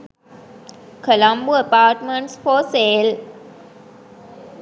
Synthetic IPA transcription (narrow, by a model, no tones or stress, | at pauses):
kəlãmbuəpaːʈmə̃ɳʈsfoːseːl